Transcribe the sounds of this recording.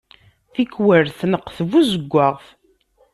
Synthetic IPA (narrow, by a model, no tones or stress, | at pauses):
θikwəɾθnəqːθvuzəɡʷːaʁθ